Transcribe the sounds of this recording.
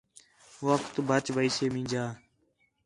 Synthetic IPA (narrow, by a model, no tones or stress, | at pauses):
ʋəkt̪ubʱət͡ʃbəiːseːmĩːd͡ʒaː